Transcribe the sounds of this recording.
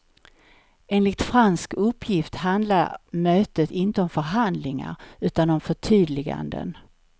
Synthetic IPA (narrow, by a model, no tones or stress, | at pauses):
eːnlɪt̪fɾanskɵpʰːjɪft̪ɦand̪la̰ɾmøːt̪ət̪ɪnt̪əɔmfœɾɦand̪lɪŋa̰ɾʉ̟ːt̪anɔmfœʈʰyːd̪lɪɡa̰nd̪ə̰n